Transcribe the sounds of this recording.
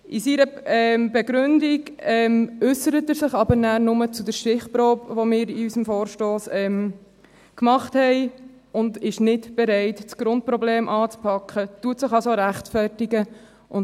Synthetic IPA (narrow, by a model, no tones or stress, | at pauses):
ʔisiɾəɛmbɛɡɾʏndiɡɛmʏsəɾətəɾsɪχɑbənæːɾnʊmət͡sudɛɾʃtɪχpɾoːpʋomɪːɾiysəmfoːɾʃtoːsɛm | kmɑχthɛɪ | ʊndɪʃnɪtb̥ɛɾɛɪtt͡sɡ̥ɾʊnt̚pɾɔbleːmʔɑːt͡spʰɑkχətuətsɪχɑlsoɾæχtfæɾtiɡə | ʔʊn